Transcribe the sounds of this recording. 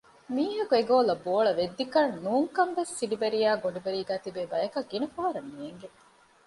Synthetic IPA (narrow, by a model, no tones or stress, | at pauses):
miːɦɐkueɡoːlɐboːɭɐʋed̪ːikɐnːuːŋkɐmʋesːiɖibeɾijaːɡoɳɖibeɾiːɡæːt̪ibeːbɐjɐkɐɡinɐfaːɐɾɐnːieŋɡe